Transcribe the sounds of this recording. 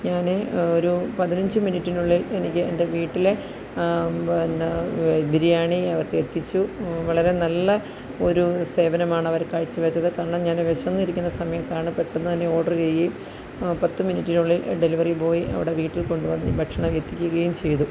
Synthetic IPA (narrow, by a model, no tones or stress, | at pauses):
ɲaːneo̞ɾupɐðinɐɲd͡ʑɨminitːinuɭːilenikʲːɨḛnde̞ʋiːʈːile̞ | n | bʱiɾijaːɳiɐʋɐrkɨet̪ːit͡ɕːuʋɐɭɐɾe̞nɐlːɐ | o̞ɾuse̞ːbɐnɐmaːɳɨɐʋɐɾkaːɻit͡ɕːɨʋet͡ɕːɐðɨkaːɾɐɳɐmɲaːnʋeɕɐnːiɾikʲːunːɐsɐmɐjɐt̪ːaːɳɨpeʈːenːɨt̪ɐnːe̞o̞ːɖɐrt͡ɕe̞jːi | pɐt̪ːɨminiʈːinuɭːilɖe̞liʋɐripo̞ːjiʔɐ̰ʋiɽe̞ʋiːʈːilko̞ɳɖuʋɐnːibʱɐʈʂɐɳɐmjet̪ːikʲːuɣɐjumt͡ɕe̞jt̪u